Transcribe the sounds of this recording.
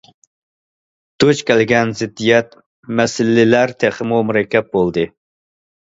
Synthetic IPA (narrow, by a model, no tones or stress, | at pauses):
d̪̥ot͡ʃkʲʰælɡʲɛnzɪd̪ːijɛt̪̚ | mɛsɪlːɪlæɾt̪ʰeχəmumuɾɛkʲʰːɛp̪̚bolˠd̪ɨ